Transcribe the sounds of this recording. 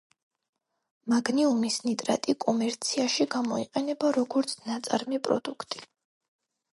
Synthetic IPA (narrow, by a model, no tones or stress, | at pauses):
maɡniumisnit̪ʼɾa̰t̪ʼikʼɔmɛɾt̪sʰiaʃiɡamɔiqʼɛnɛbaɾɔɡɔɾt̪sʰnat̪sʼa̰ɾmipʼɾɔ̰d̪ukʰt̪ʼi̥